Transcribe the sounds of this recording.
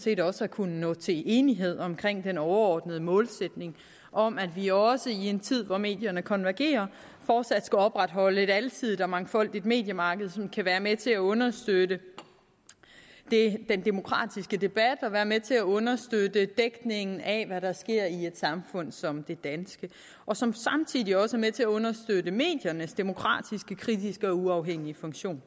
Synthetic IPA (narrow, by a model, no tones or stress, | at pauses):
nse̝̰ːdɒ̽səækʰunənɔ̰̽ːt͡sʰe̝lʔe̝ːniɦe̝ð̞̰ˠɒ̽mkʰʁeŋ̰d̥enɒʊɐɒːd̥nəð̞̩ˠəmɔ̽ːlsed̥ne̝ŋ | ʔɒ̽m̰æd̥ʋiɒ̽səie̝nt͡sʰið̞̰ˠʋɒme̝̰ːd̥jɐnəkʰɒ̽nʋæɐɡ̥e̝̰ːɐ | fɒːd̥sæd̥skæɒ̽b̥ʁad̥ɦɒ̽ləe̝ɾælt͡sʰið̰ˠdɒmɑ̈ŋfɒ̽l̰d̥id̥me̝̰ːd̥jəmɑ̈ːɡ̥əð̩ˠsɒ̽mkʰæʋæːɐmet͡sʰe̝æɔ̽nɐsd̥ødə | d̥e̝d̥end̥e̝mo̝kʰʁɑ̰̈ːd̥isɡ̥əd̥e̝b̥æd̥ɒ̽ʋæːɐmet͡sʰe̝æɔ̽nɐsd̥ød̥əd̥eɡ̥ne̝ŋn̩æʋæɾɑ̈sɡ̥e̝ɐ̰ie̝d̥sɑ̈mfɔ̽n̰sɒ̽md̥e̝d̥ænsɡ̥ə | ʔɒ̽sɒ̽msɑ̈mt͡sʰið̰ˠiɒ̽səæmet͡sʰe̝æɔ̽nɐsd̥ød̥əme̝̰ːd̥jɐnəsd̥e̝mo̝kʰʁɑ̰̈ːd̥isɡ̥əkʰʁidisɡ̥əɒ̽uɑ̈ʊɦeŋ̰iəfɔ̽ŋɕo̝̰ːn